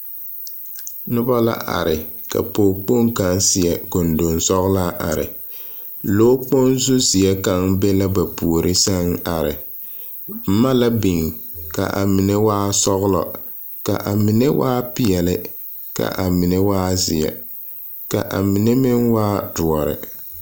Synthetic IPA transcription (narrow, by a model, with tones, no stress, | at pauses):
nʊ˦ba˦la̰˦ʔa̰˨ɾɪ˨ka̰˨po˨k͡po˦ŋka˦nsɪ˨jɛ˨ko˨ndo˨nsɔ˦ɣlaː˦ʔa˨ɾɪ̰˨ | loː˦k͡po˦nzʊ˦zɪ˨ɛ˦ka˦ŋbe˦la˦ba˨pu˨o˨ɾʔɪ˦sa˦ŋa˨ɾɪ̰˨ | b̩˦ma˦la˦bi˨ŋka̰˨ʔa̰˨mi˨ne˦waː˦sɔ˦ɣʊ˦lɔ̰˨ | ka˨ʔa˨mɪ˨ne˦waː˦pɪ˨jɛ˨lɪ˦ | ka̰˨ʔa˨mi˨ne˦waː˦zɪ˨jɛ̰˨ | ka̰˨ʔa˨mi˨ne˦mɪ˦ŋwaː˦dʊ˨ɔ˨ɾɪ̰˨